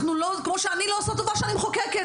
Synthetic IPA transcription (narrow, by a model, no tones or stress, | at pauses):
χnulokmoʃeaniloasat̪d̪ovaʁʃeanimχokeke